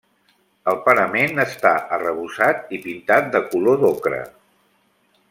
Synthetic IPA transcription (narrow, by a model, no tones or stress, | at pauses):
əlˠpənəmenəst̪aʔərəβusat̪̚ipint̪at̪̚d̪əkuloðokɾə̰